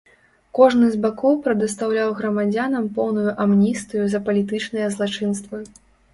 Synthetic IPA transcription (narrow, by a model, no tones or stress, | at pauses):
kɔʐnɨzʲbakɔwpɾɐd̪ɨst̪awlʲawɣɾɐmad͡zʲanɐmpɔwnujuʔamnʲist̪ɨjuzɐpɐlʲit̪ɨt͡ʂnɨjɐzlˠat͡ʂɨn̪st̪vɨ